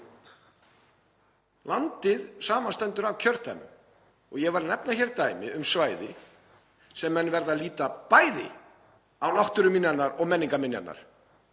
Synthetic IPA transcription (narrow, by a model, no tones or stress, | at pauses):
lant̪ɪðsaːmanst̪ɛnt̪ʏɾawcʰœɾ̥t̪anʏ̰m | ɔɣjɛvaɾnɛpnaçɛɾt̪aːjmɪ̰ʏmsvaːjðɪ | sɛmːɛnːvɛɾðaðliːt̪apaːjðɪ̰ | awlɔht̪ʏɾʏmɪnjanaɾɔɣmɛnːiŋkamɪnja̰t̪na̰ɾ̥